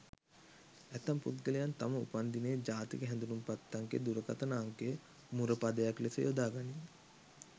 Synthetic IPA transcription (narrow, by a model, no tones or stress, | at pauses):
æt̪amput̪̚ɡəlejant̪aməṵpand̪ineːd͡ʒaːt̪ikəɦɛnd̪unumpat̪ːaŋkḛd̪uɾəkat̪ənaːŋkejə | muɾəpad̪əjaklesə̰jod̪aːɡani